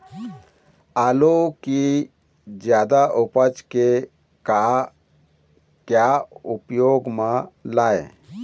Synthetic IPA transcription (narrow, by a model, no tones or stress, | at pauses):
aloki | d͡ʒjaːd̪aʔʊpət͡ʃke | ka | kjaʊpjoːɡmãlaːe